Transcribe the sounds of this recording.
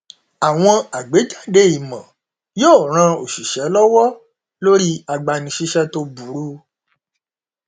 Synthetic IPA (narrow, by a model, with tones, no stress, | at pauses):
a˨w̃ɔ̃˧a˨ɡ͡be˨˦d͡ʒa˦˨de˨˦i˨mã˨ | joː˦˨ɾ̃ã˧o˨ʃi˨ʃɛ˨˦lɔ˦wɔ˦ | lo˦ɾi˦a˨ɡ͡ba˨nĩ˨ʃi˧ʃɛ˧to˧bu˨˦ɾu˦